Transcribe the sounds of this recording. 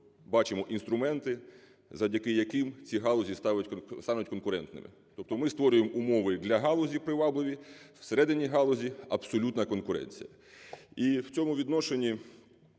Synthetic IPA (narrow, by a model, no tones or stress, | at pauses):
bɑt͡ʃɪmɔʔinst̪ɾʊmɛnt̪ɪ | zɐwdʲɐkɪjɐkɪmt͡sʲiɦɑlˠɔzʲist̪ɑʋʊtʲst̪ɑnʊtʲkɔnkʊɾɛnt̪nɪ̰mɪ̰ | t̪ɔp̚t̪ɔmɪst̪ʋɔɾʲʊjemumɔʋɪd̪lʲɐɦɑlˠɔzʲipɾɪʋɑblˠɪʋʲiwseɾɛd̪ɪnʲiɦɑlˠɔzʲiɐbsɔlʲut̪nɐkɔnkʊɾɛ̰nʲt͡sʲḭjɐ | iwt͡sʲɔmʊʋʲid̪nɔʃenʲːi